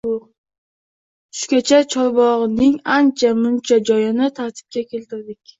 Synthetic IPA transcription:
ʊ | ʃʊ̥kʲat͡ʃʰat͡ʃʰɒɾbɒʁɨnɪŋant͡ʃʰamʊnt͡ʃʰad͡ʒɒjɪnɪt̪ʰaɾt̪ʰɪ̥b̚kʲakʲʰe̞lt̪ɪɾd̪ɪkʲ

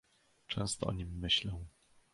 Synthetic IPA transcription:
t͡ʂɛ̃st̪ɔʔɔ̰ɲimːɘɕlɛw̃

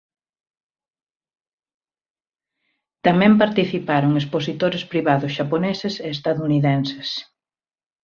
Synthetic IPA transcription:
t̪amɛ̃mpaɾt̪iθipaɾʊŋesposit̪oɾespɾiβaðʊsʃaponeseseːst̪aðuuniðɛnse̥s

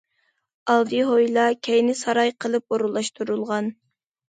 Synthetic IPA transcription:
ɑlˠd̪ɨɦojlˠɑkʲʰɛjnɪsɑɾɑjqʰəlˠɨp̚boɾulˠːɑʃt̪uɾulˠʁɑn

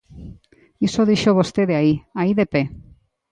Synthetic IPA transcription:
isoðiʃoβost̪eðeaiaiðepe

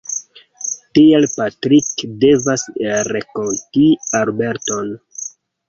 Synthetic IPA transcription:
tielpatɾikde̞vasɾekontiaɾbe̞ɾto̞n

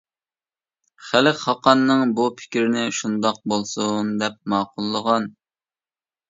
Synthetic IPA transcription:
χælɪkʲhɑqɑnːɨŋbupʰɪ̥kʲɾɪnɪʃund̪ɑq̚bolˠsund̪ɛp̚mɑːqʊlˠːəʁɑn

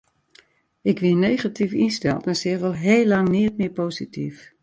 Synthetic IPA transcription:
ɪkʋiɹnejχatifinstɛ̰lˠtɛnsɪəɹʋɔlˠɦeːlɑŋniət̚mɪəpowsitif

